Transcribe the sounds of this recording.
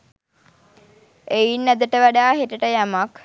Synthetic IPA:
ejinːæd̪əʈəʋæɖaːɦeʈəʈəjamak

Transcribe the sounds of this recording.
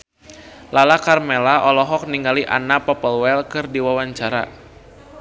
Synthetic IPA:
lalakarmɛlaʔɔlɔɦɔk̚niŋɡaliʔa̰napɔpəlwɛlkɨrdiwawaɲt͡ʃaɾa̰

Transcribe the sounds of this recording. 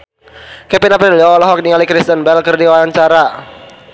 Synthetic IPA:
kɛpinapɾiliɔlɔɦɔk̚niŋalikɾist̪ənbɛlkərdiwaaɲt͡ʃaɾa

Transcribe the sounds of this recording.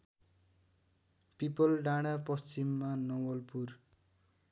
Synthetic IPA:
pipʌlɖaɽ̃apʌst͡simːanʌwʌlpur

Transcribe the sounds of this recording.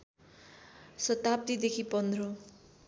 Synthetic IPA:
sʌt̪ap̚d̪id̪ekʰipʌnd̪ʱro

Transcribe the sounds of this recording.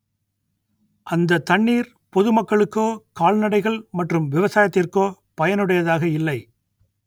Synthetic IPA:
ʔɐnd̪ɐt̪ɐɳːiːɾ | pɔðɯmɐkːɐɭɯkːoːkaːɭnɐɽɐɪɣɐɭmɐʈrɯmʋɪʋɐsaːjɐt̪ːɪrkoː | pɐjɐnɯɽɐjɐðaːɣɐɪlːɐɪ

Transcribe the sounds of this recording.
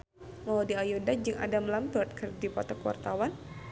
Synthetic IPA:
madiajodad͡ʒɨŋʔa̰damlambərt̪̚kɨrdipɔt̪ɔkuwa̰rt̪awan

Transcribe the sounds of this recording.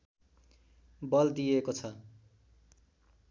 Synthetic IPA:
bʌld̪ijekot͡sʰʌ

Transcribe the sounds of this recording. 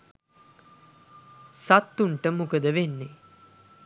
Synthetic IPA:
sat̪ːuɳʈəmukəd̪əʋenːe

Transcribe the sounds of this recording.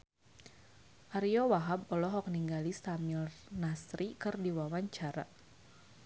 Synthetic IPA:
ʔaɾijɔwaɦabɔlɔɦɔk̚niŋɡalist̪amilnasɾikɨrdiwawaɲt͡ʃaɾa

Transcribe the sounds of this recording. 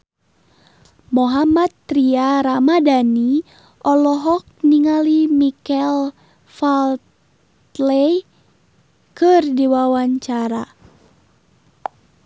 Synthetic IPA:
mɔɦamat̪ːɾiaɾamadani | ʔɔlɔɦɔk̚niŋalimikɛl | falt̪ | lɛj | kɨrdiwawaɲt͡ʃaɾa

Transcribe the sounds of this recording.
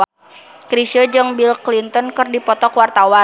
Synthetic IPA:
kɾisəd͡ʒəŋbilklint̪ɔnkɨrdipɔt̪ɔkwart̪awa

